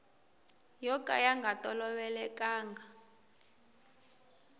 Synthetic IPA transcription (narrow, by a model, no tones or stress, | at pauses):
jɔkʼa̰jaŋɡʱatʼɔlɔɓɛlɛkʼaːŋɡʱa